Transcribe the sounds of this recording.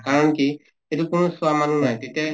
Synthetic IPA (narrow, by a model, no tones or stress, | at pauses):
kaɹɔnki | et̪ukunuswamanunajt̪et̪ɛ